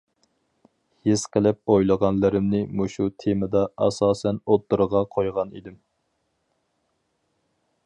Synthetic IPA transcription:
hesqʰəlɪp̚ojlˠəʁɑnlɨɾɪmnɪmuʃut̪ʰemɨd̪ɑɑsɑːsɛnot̪ːuɾʁɑqʰojʁɑnḭd̪ɪm

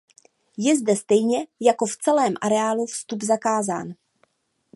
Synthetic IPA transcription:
jɛzdɛst̪ɛjɲɛjako̞ft͡sɛlɛːmʔaɾɛaːlufst̪ubzakaːza̰ːn

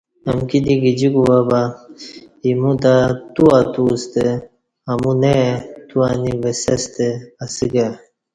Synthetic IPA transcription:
ɐmkid̪iɡid͡ʑikuwaba | imud̪at̪uat̪ust̪e | ɐmunet̪uanivesɐst̪easiɡa

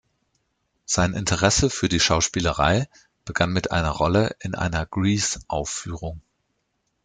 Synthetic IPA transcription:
z̥aɪnʔɪntʰəʁɛsəfyːɐdiːʃaʊʃpiːləʁa̰ɪ | b̥əɡ̥anmɪtʔa̰ɪnɐʁɔləʔɪnʔa̰ɪnɐɡ̥ʁiːsʔaʊfyːʁ̞ʊŋ

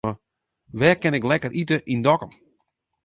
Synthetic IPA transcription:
ə | ʋɛːkɪnɪklɛkərʔitəʔindɔkəm

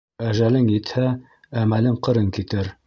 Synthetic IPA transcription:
æʒælɘŋjĭt̪hæː | mælɘŋqɤ̆ɾɤŋkit̪ɘɾ

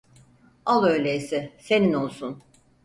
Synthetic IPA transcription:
alˠøjlʲejsɪse̞nino̞lˠsun

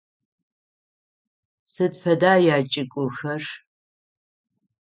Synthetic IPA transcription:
sɨdfʰɐdaːjaːt͡ʃʼɪkʷʼʊxɐr

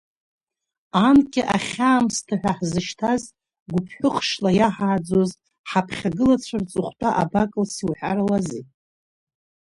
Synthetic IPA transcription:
ankʲʼɪʔaχʲaːmstʰaħʷᶣaħzɨʃtʰaz | ɡʷʊpʰħʷᶣʊχʂlajaħaːd͡zo̞z | ħapʰχʲaɡɨlat͡sʷʰart͡sʼɨχʷtʼaʔa̰bakʼɨlsiwħa̰ɾalazi

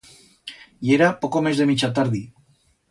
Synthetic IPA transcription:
jeɾapokomezðemit͡ʃat̪aɾði

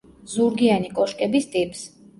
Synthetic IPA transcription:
zuɾɡianikʼɔʃkʼɛbist̪ʼipʼs

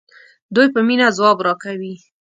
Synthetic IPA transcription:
d̪ujpəminazwɑbɾɑkawi

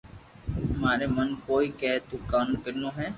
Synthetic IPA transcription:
maːɾeːmənkoːiːkɛːɦt̪uːkaːnkəɾnõːɦɛː

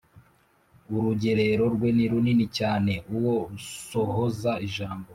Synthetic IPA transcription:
uɾuɟe̞ɾeɾo̞ɾɡwe̞niɾuninicaːne̞ʔuwo̞uso̞hozaiʒaːmbo

